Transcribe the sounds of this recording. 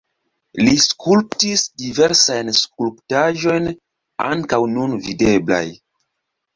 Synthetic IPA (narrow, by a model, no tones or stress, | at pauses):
liskʰulp̚tisdive̞ɾsajnskulptaʒo̞jn | a̰ŋkawnunvide̞bla̰j